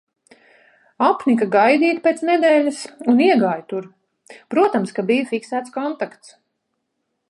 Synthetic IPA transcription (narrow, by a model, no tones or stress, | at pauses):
apnik̬aɡajd̪iːt̪peːt̪snɛd̪ɛːlʲasuniɛɡaːjt̪uɾ | pɾuɔt̪amskabijafiksæːt̪skɔnt̪akt̪s